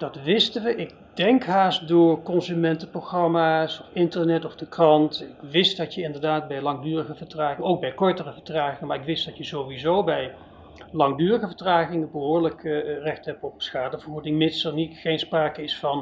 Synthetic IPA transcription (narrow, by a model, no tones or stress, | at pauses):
d̥ɑtʋɪstənʋəʔɪk̚ | dɛŋkɦaːstdʊːɹkɔnzymɛntəproχrɑmaːsɔfɪntəɹnɛtɔvdəkrɑntɪkʋɪstdɑtjəɪndəɹdaːt̚bɛjlɑŋdyːrəɣəvəɹtraːχɪŋəowk̚bɛjkɔɹtərəvəɹtraːχɪŋəmaːɹɪkʋɪstd̥ɑtjəzowʋizowbɛj | lɑŋdyːrəχəvətraːχɪŋəbəɦʊːɹləkrɛχtɦɛp̚tɔpsχaːdəvəɔɹdɪŋmɪtsəɹnitχejnspraːkəɪsfɑn